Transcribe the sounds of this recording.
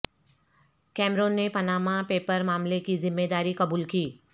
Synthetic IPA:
kɛːmɾoːnːepɐnaːmapeːpəɾmaːmlekizɪmːeːd̪aːɾikɐbuːlkiː

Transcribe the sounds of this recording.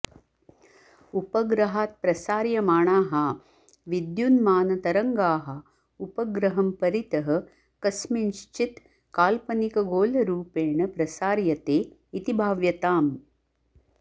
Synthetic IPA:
upɐɡɾɐɦaːt̪̚pɾɐsaːɾjɐmaːɳaːɦɐ | ʋid̪junmaːnɐt̪ɐɾɐŋɡaːɦɐ | upɐɡɾɐɦɐmpɐɾit̪ɐɦɐ̆ | kɐsminʃt͡ʃit̪ | kaːlpɐnikɐɡoːlɐɾuːpeːɳɐpɾɐsaːɾjɐt̪eːit̪ibʱaːʋjɐt̪aːm

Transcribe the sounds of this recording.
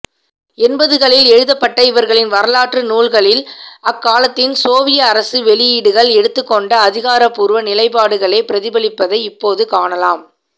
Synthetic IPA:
ɛnbɐðɯɣɐɭɪlɛɻɯðɐpːɐʈːɐɪʋɐɾɣɐɭɪnʋɐɾɐlaːʈrɯnuːɭɣɐɭɪlɐkːaːlɐt̪ːɪnsoːʋɪjɐːɾɐsɯʋɛɭɪjiːɽɯɣɐɭɛɽɯt̪ːɯkːɔɳɖɐːðɪɣaːɾɐpːʊɾɯʋɐnɪlɐɪpaːɽɯɣɐɭɐɪpɪɾɐðɪbɐɭɪpːɐðɐɪɪpːoːðɯkaːɳɐlaːm

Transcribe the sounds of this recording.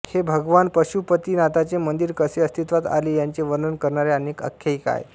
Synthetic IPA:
hebʱəɡʋanpəɕupət̪iːnat̪at͡semənd̪iɾkəseəst̪ʰit̪ʋat̪a̰liːjaɲt͡ɕeʋəɾnənkəɾɳaɾjeənekə̰kʰːjəiːka̰j

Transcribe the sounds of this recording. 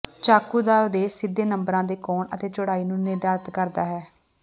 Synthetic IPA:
t͡ʃaːkuːd̪aːod̪eːsɪd̪ːeːnəmbɾãːd̪eːkɔːɳə̰t̪eːt͡ʃʊɽaːiːnũːnɪɾd̪aːɾət̪kəɾd̪aːɦɛː

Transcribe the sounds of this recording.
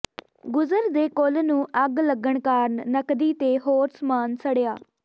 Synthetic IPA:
ɡʊzəɾd̪eːkolnũːʔəɡləɡəɳkaːɾnnəkd̪iːt̪eːɦoːɾsmaːnsəɽejaː

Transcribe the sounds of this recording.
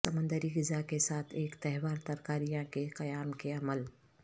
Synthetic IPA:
ɐmə̃nd̪əɾiɡɪzakesaːt̪ʰeːkt̪ɛɦwaːɾt̪ɐɾkaːɾijãkeqɐjaːmkeɐməl

